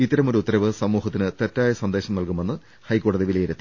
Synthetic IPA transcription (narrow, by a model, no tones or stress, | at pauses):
it̪ːɐɾɐmo̞ɾuut̪ːɐɾɐʋɨsɐmːuːɦɐt̪ːinɨt̪etːaːjɐsɐnd̪e̞ːɕɐmnɐlkume̞nːɨ | hɐjkoːɽɐðiʋilejiɾɐt̪ːi